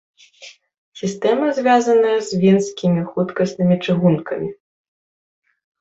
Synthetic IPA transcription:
sʲist̪ɛmɐzʲvʲazɐnɐjɐzʲvʲinsʲkʲimʲixut̪kɐsnɨmʲit͡ʂɨɣunkɐmʲi

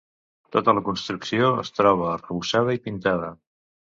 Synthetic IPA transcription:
t̪ot̪ələkunst̪ɾuksioə̰st̪ɾɔβ̞ərəβuʃað̞əipint̪að̞ə

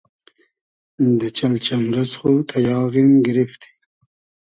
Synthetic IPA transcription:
d̪ət͡ʃalt͡ʃamɾasxot̪ʰajɑːɣimɡɪɾɪft̪ʰi̥

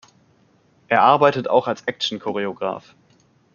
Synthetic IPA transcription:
ʔeːɐʔaɐbaɪtətʰa̰ʊxalsʔɛk̚ʃn̩kʰoʁeoɡʁa̰ːf

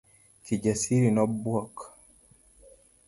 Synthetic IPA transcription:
tid͡ʒasiɾinɔbwɔk

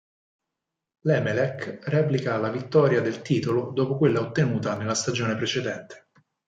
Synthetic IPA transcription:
lɛːmelɛkrɛplikalavit̪ːɔːɾjad̪elt̪iːt̪olod̪oːpokwelːaot̪ːenuːt̪anelːast̪ad͡ʒoːnepɾet͡ʃed̪ɛnt̪ʰe̥

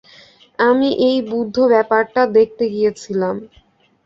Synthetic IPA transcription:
amiʔejbud̪ʱːobɛpaɾʈad̪ek̚ʰt̪eɡijet͡ɕʰilam

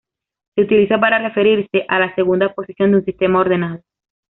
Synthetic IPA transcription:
seut̪iliso̞paɾare̞fe̞ɾiɾse̞ʔalase̞ɣund̪apo̞sisjo̞nd̪unsist̪e̞mao̞ɾðe̞naðo

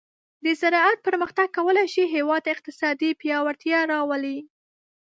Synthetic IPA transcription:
d̪əzaɾɑat̪̚pəɾməxt̪aɡ̚kːawəlajʃiɦewɑd̪̚ɪq̚t̪ɪsɑd̪ipjɑwaɾt̪jɑɾɑwəli

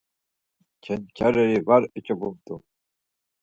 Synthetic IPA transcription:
kʰɛnkʰaɾɛɾivaɾɛt͡ʃʼɔbumt̪ʼu

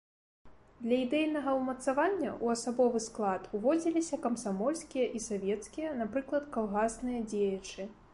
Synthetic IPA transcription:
d̪lʲɐid̪ɛjnɐɣɐumɐt̪savanʲːɐ̰ʔuɐsabɔvɨsklˠat̪uvɔd͡zʲilʲisʲɐkɐmsamɔlʲsʲkʲijɐʔisavʲɛt̪skʲijɐnapɾɨklˠɐt̪kalˠɣasnɨjɐd͡zʲejɐt͡ʂɨ

